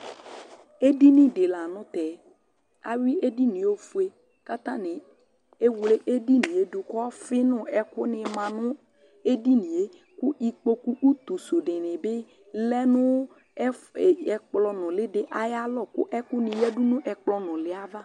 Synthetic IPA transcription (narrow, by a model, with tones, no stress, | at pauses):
e˦di˦nɪ̃˨dɪ˨la˨nʊ̃˦t̪ɛ˨ | a˨wi˦ʔe˦di˦nĩ˨o˦fu˦e˦ | ka˦t̪ã˦nɪ̃˨ | e˦wle˦ʔe˦di˦nĩ˨e˦dʊ˨kɔ˦fɪ˦nʊ̃˦ɛ˨kʊ˦nɪ̃˨mã˨nʊ̃˦ | e˦di˦nĩ˨e˦ | kʊ˦i˨k͡po˦ku˦ʔu˦t̪u˨so˨dɪ̃˨nɪ̃˨bɪ˦ | lɛ˦nʊ̃˦˨ | ɛ˨k͡plɔ˨nʊ̃˨lɪ˦dɪ˨ʔa˨ja˦lɔ˦˨kʊ̰˦ʔɛ˦kʊ˦nɪ̃˨jɛ˦du˦nʊ̃˦ʔɛ˨k͡plɔ˨nʊ̃˨lɪ˨˦a˦va˦